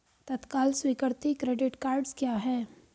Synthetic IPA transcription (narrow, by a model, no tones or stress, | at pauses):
t̪ɐt̪kaːlswiːkəɾt̪ikɾeːɖɪʈkaːɾɖzkjaːɦɛː